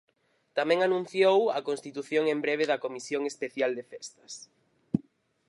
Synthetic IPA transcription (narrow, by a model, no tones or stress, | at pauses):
t̪amɛ̃ŋanũn̟θjowɐkonst̪it̪uθjoŋembɾeβ̞eðɐkomisjoŋespeθjald̪efɛst̪ɐ̥s